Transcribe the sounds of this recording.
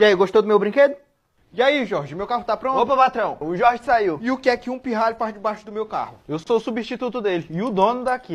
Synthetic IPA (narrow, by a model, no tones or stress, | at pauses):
iaiɡoʃt̪owd̪ʊmewbɾĩked̪ʊ | iaiʒɔɾʒɪʊmewkaɦʊt̪apɾõnt̪opɐpat̪ɾɐ̃w̃ʊʒɔɾʒɪsaiwɪʊkɪɛkɪũpiɦaʎʊpad͡ʒɪbaʃʊd̪ʊmewka̰hʊewsoʊsubĩʃt͡ʃit̪ut̪ʊd̪elɪɪʊd̪õnʊd̪aki